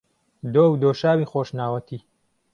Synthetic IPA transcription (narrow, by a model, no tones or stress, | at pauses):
d̪oːwd̪oːʃaːwixoːʃnaːwɐt̪ʰiː